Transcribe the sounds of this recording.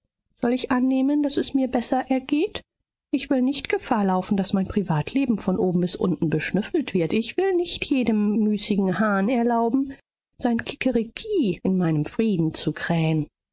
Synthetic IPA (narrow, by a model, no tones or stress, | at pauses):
z̥ɔlɪçʔanːeːmənd̥asɛsmiːɐbɛsɐʔɛɐɡeːt | ʔɪçv̥ɪlnɪçtɡ̥əfaːɐlaʊfn̩dasmaɪnpʁ̥ivaːtʰleːbm̩fɔnʔoːbm̩bɪsʔʊ̰ntn̩bəʃnʏfl̩tv̥ɪɐtɪçv̥ɪlnɪçtʰjeːdəmːyːsɪɡŋ̩haːnɛɐlaʊbm̩ | z̥aɪnkʰɪ̥kʰəʁikʰiːɪnmaɪnəmfʁ̥iːdn̩t͡sukʁ̥ɛːən